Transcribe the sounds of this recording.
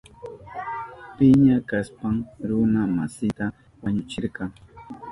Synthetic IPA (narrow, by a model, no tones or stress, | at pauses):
pɪɲakaspaŋɾʊnamasɪt̪a | waɲʊt͡ʃɪɾkɑŋ